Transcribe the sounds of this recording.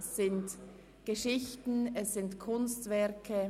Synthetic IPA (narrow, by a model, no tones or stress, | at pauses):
sːɪnt | ɡ̥əʃɪçtn̩ɛsːɪntkʰʊnstvɛɐkʰə